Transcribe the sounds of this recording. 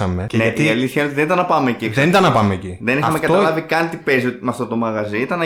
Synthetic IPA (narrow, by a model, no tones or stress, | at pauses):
ɐmenet̪iɐliθçɐelot̪iðenit̪ɐnːɐpɐmeːcieksðenit̪ɐnːɐpɐmeciðeniɐɐmekɐt̪lɐvikɐnt̪ipeziot̪mɐft̪o̞t̪o̞mɐɣɐziit̪ɐnɐ